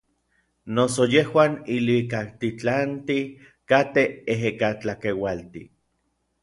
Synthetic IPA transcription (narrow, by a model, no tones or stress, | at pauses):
nosojehwaːnilwikak̚t̪it͡ɬant̪i | kat̪eeɦekat͡ɬakewalt̪ḭ